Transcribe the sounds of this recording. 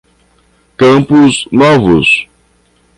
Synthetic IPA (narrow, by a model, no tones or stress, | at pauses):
kɐ̃pʊznɔvʊs